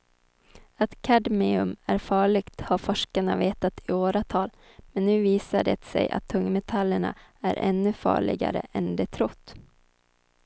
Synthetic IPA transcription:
at̪kʰad̪mɪɵmæɾfɑːɭɪɡt̪haɾfɔʂkaɳaveːt̪at̪ʰɪoːɾat̪ʰɑːl | mɛnːʉ̟ːviːsaɖɛ̰t̪sɛ̰jʔa̰t̪ʰːɵŋːmɛt̪ʰalːəɳa̰æɾʔɛ̰nːʉfɑ̰ːɭɪ̰ɡa̰ɾə̰ʔɛnd̪ɛt̪ʰɾɔt̪ː

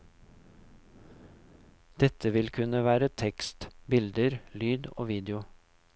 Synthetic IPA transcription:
d̪̥ɛt̪ʰəʋɪlkʰʉnəʋæːɾət̪ʰɛkst̪bɪld̪əɾlyːd̪o̰ːʋiːd̪ɪʊ

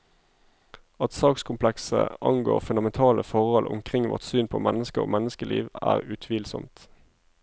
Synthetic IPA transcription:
ɑt̪sɑːkskʰʊmpʰlɛksə̰ʔɑŋɡoːʁfʉnd̪ɑmɛnt̪ʰɑːləfɔʁhɔlʔʊ̰mkʰʁɪŋʋɔ̰ʁt̪syːnpʰoːmɛnːəskəʁoːmɛnəskəlʔḭːʋæːʁʉt̪ʰʋiːlsɔmt̪

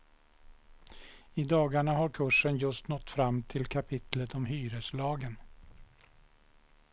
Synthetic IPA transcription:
ɪd̪ɑːɡaɳaɦaɾkʰɵʂːənjɵst̪nɔt̪ːfɾamːt̪ʰɪlkʰapʰɪt̪lət̪ɔmɦyːɾəslɑːɡən

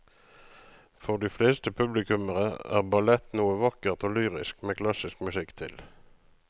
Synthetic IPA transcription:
fɔʁd̪iːfleːst̪əpʰʉblɪkʉməʁəæ̰ːʁbɑlɛt̪nuːəʋɑkəʁt̪oːlyːʁɪ̰skmeːkʰlɑsɪskmʉsɪkt̪ʰɪ̰l

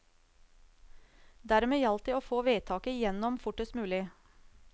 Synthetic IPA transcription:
d̪æɾmeːjɑlt̪əoːfoːʋeːt̪ʰɑːkəjɛnɔmfʊʈəsmʉːlɪ

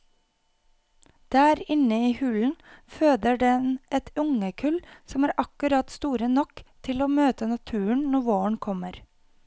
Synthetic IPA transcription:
d̪̥æːɾɪnəiːhʉln̩føːd̪əɖɛnʔɛt̪ʊŋəkʰʉlsɔmæːɾʔɑkʉɾɑt̪st̪uːɾənɔkt̪ʰɪloːmøːt̪ənɑt̪ʰʉːəɳnɔʋoːəɳkʰɔməɾ

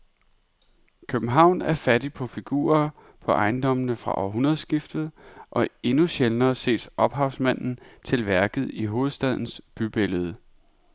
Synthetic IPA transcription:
kʰøb̥n̩ɦɑ̈ʊ̰næɐfæd̥ipʰɒ̽fiɡ̥ṵːɐ | pʰɒ̽ʔɑ̈ɪnd̥ɒ̽mənəfʁɑ̈ʔɒ̰ɦunɐðˠsɡ̥ifd̥ð̩ˠʔɒ̽e̝nuɕelnɐːse̝̰ːsʔɒ̽b̥ɦɑ̈ʊsmæn̰n̩t͡sʰe̝lʋæɐɡ̥ð̩ˠiɦo̝ːð̩ˠsd̥æð̞̰ˠn̩sb̥yb̥e̝ləð̞ˠə

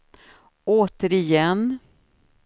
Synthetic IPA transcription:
oːt̪əɾɪjɛnː

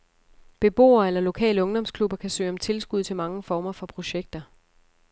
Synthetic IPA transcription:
b̥e̝b̥o̝̰ːɐelɐlo̝kʰɛ̰ːləɔ̽ŋd̥ɒ̽m̰skʰlub̥ɐkʰæsø̰ːɒ̽mt͡sʰe̝lsɡ̥uð̞̰ˠt͡sʰe̝lmɑ̈ŋəfɒːmɐfɒ̽pʰʁo̝ɕeɡ̥̚d̥ɐ

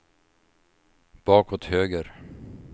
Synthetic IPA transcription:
b̥ɑːkɔt̪høːɡəɾ

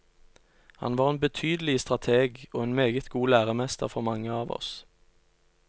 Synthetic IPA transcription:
hɑ̰nʋɑːʁeːnbət̪ʰyːd̪əlɪəst̪ʁɑt̪ʰeːɡoːeːnmeːɡət̪ɡuːlæːʁəmɛst̪ə̰ʁfɔʁmɑŋəɑːʋɔ̰s

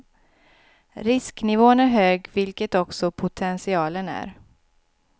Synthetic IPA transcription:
ɾɪsknɪvoːənæɾɦøːɡvɪlkət̪ɔksɔpʰʊt̪ʰɛnsɪɑːlənæ̰ɾ

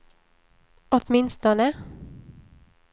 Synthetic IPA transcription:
ʔɔt̪mɪnst̪ɔnə

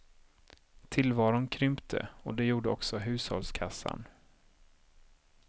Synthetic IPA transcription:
t̪ʰɪlvɑːɾʊnkʰɾʏmpt̪ʰə̰ɔd̪ɛjuːɖəɔksɔɦʉ̟ːshɔ̰lskʰasːa̰n

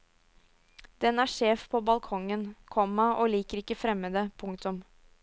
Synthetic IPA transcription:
d̪̥ɛnæːʂeːfpʰoːbɑlkʰɔŋənkʰɔmːɑʔoːliːkəɾɪkːəfɾɛmːəd̪ɛpʰʊŋkt̪ʊm

